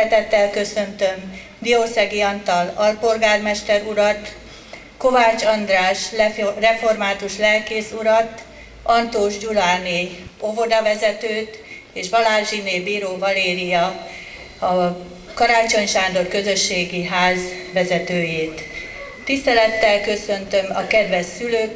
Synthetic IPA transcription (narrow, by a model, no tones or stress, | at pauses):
t̪ɛt̪ːɛlkø̞sø̞nt̪ø̞m | bioːsɛɡiɒnt̪ɒlɒlpo̞lɡaːrmɛʃt̪ɛɾuɾɒt̪ | ko̞vaːt͡ʃɒnd̪raːʃrɛfo̞rmaːt̪uʃlɛlkeːsuɾɒt̪ | ʔɒnt̪oːʒd͡ʒulaːneːo̞vo̞d̪ɒvɛzɛt̪øːt̪ | eːʃʋɒlaːʒineːbiːɾoːvɒleːɾijɒ | ɒ | kɒɾaːt͡ʃo̞ɲʃaːnd̪o̞rkø̞zø̞ʃːeːɡiɦaːzʋɛzɛt̪øːjeːt̪ː | ist̪ɛlɛt̪ːɛlkø̞sø̞nt̪ø̞mɒkɛd̪vɛsːyløːk